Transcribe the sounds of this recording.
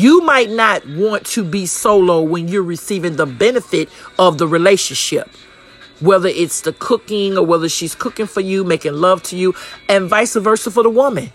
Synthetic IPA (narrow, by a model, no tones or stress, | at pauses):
jɨmaɪtⁿnət̚wɑ̃ntʰɨbisoʊloʊwɨ̃njə˞ɹɨsivɪ̃ŋðəbɛnɨfɪɾʌvðəɹileɪʃɨ̃nʃɪp̚ | wɛðə˞ʔɪtsðɨkʰʊkɪ̃ŋə˞wɛðə˞ʃiz̥kʰʊkɪ̃ŋfə˞jɨmeɪkɪ̃ŋlʌv̥tʰɨjɨɨ̃nvaɪsəvɜ˞sl̩ˠfə˞ðəwʊmɨ̃n